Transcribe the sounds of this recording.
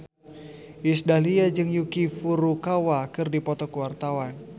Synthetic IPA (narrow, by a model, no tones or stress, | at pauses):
ʔisdaliad͡ʒɨŋjukifuɾukawakɨrdipɔt̪ɔkəwart̪awan